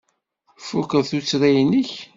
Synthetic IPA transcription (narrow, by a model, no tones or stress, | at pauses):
fukəðθut͡sːɾæjnəç